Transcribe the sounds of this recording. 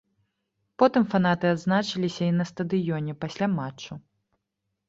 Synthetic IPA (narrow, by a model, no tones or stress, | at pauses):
pɔt̪ɨmfan̪at̪ɨad̪znat͡ʂɨlʲisʲɐinɐst̪ɐd̪ɨjɔnʲɛpasʲlʲamat͡ʂːu